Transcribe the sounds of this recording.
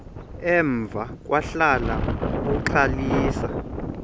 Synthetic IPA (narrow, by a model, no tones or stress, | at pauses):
ɛɱb̪vʱak̬ʼwaɬala̰kuǃʰaliːsa